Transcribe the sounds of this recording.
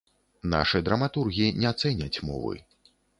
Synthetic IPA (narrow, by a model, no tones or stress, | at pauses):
na̰ʂɨd̪ɾɐmat̪urɣʲijinʲɛat̪sɛnʲɐt͡sʲmɔ̰vɨ̰